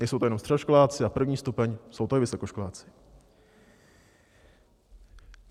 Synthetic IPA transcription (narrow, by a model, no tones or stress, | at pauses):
nɛjsowt̪oɛomst̪r̥ɛdoʃkolaːt͡sɪapr̩vɲiːst̪upɛɲso̞wt̪oɪvɪso̞ko̞ʃkolaːt͡sɪ̥